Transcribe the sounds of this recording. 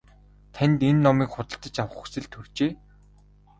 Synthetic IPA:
t̪ʰænʲt̪enːɔmiːkχʊt̪ə̆ɬt̪ə̆t͡ɕawə̆χu̥sɘ̆ɮt̪ʰɵr̥t͡ɕeː

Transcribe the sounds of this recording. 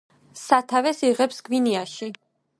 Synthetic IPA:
sat̪ʰavɛsiʁɛpsɡ̥viniaʃi

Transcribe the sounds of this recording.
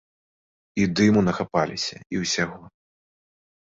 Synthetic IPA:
id̪ɨmunɐxapalʲisʲɐ̰iwsʲaɣɔ

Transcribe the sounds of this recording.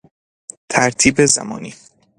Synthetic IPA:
t̪ʰæɾt̪ʰiːbezæ̰mɒ̰ːniː

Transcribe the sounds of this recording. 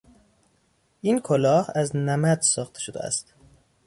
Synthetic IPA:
ʔiːnkʰolɒːhæznæmæd̪sɒːxt̪ʰeʃod̪ḛæ̰st̪

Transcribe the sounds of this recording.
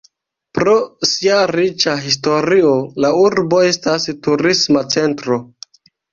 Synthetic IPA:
pɾo̞siaɾit͡ʃaɦis̬to̞ɾiolauɾbo̞e̞stastuɾismat͡se̞ntɾo̞

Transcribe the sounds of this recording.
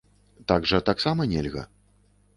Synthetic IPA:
t̪aɡʐɐt̪aksamɐnʲɛlʲɣɐ̰

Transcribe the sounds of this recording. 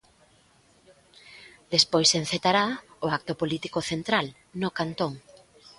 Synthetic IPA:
d̪espojsen̟θet̪aɾaoak̚t̪opolit̪ikoθent̪ɾal | nokant̪oŋ

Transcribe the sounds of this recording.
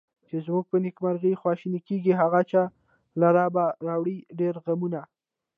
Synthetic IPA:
t͡ʃezmuɡ̚pənɪkmaɾɣəjxwɑʃinikeɡiɦaɣat͡ʃɑ | laɾɑbaɾɑwɽiɖeɾɣamuna

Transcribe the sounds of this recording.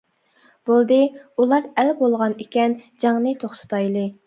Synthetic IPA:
b̥olˠd̪ɨulˠɑɾɛlbolˠʁɑnɪkʲɛnd͡ʒɑŋnɨt̪ʰoχt̪ʰɨ̥t̪ʰɑjlˠɨ

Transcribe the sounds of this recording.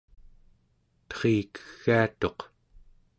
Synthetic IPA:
t̪χeːkə̥ɣːaat̪o̞q

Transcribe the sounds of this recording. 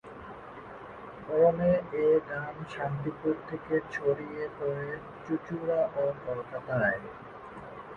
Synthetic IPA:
bɔɾoneedamʃant̪ipuɾt̪ʰeket͡ɕʰoɾiepɔɾe | t͡ɕut͡ɕuɾaʔokɔɾk̪ʰat̪aae

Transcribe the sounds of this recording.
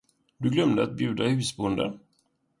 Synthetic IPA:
d̪ɵɡlœmd̪əat̪̚bjʉ̟ːd̪ahʉ̟ːsbʊnd̪ə̰n

